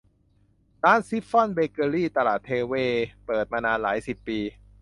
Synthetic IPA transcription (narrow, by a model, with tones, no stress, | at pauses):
daː˦˥nsi˦˥pfɔ˥˩nbeː˧kɤː˧ɾiː˥˩t̪a˧la̰ː˨˩t̪ʰːeː˧weː˧pɤː˨˩t̪̚maː˧naː˧nlaː˩˦˥jsi˨˩pːiː˧